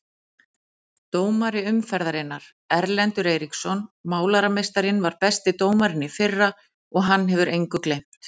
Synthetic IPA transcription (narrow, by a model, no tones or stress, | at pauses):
t̪oːwmaɾɪʏmfɛɾðaɾɪnːaɾ̥ | ɛɾlɛnt̪ʏɾeːjɾiksɔnmaːwlaɾamejst̪aɾɪnvaɾpɛst̪ɪt̪oːwmaɾɪnːɪfɪrːa | ɔɣɦanːɦɛvʏɾʔejŋkʏklejm̥t̪